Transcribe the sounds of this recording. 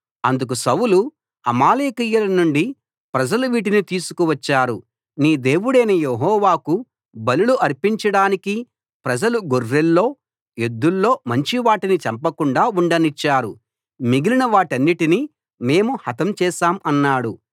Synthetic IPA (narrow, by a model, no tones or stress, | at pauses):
ɐnd̪uk̬usɐwulu | ɐmaːleːkijɐlɐnuɳɖi | pɾɐd͡ʒɐluʋiːʈ̬init̪iːsu̥kuʋɐt͡ʃːaːɾu | niːd̪e̞ːʋuɽejnɐjeɦɔːʋaːku | bɐluluʔɐɾpiɲt͡ʃɐɽaːniki | pɾɐd͡ʒɐluɡorːelːo̞ː | ed̪ːulːo̞ːmɐɲt͡ʃiʋaːʈinit͡ʃɐmpɐkuɳɖaːuɳɖɐnit͡ʃːaːɾu | miɡilinɐʋaːʈiɐnːiʈini | me̞ːmuhɐt̪ɐmt͡ʃɛːʃaːmɐnːaːɽu